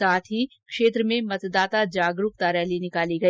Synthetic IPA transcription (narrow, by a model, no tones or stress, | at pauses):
aːt̪ʰɦi | kʃeːt̪ɾəmẽmɐt̪d̪aːt̪ad͡ʒaːɡɾuːk̚t̪aːɾjɛɦlinɪkaːliɡɐ